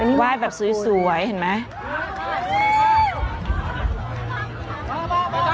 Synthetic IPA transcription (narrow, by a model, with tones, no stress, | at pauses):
nwaː˥˩jbɛː˨˩p̚sɯː˩˦˥su˩˨˩jhe˨˩nma˦˥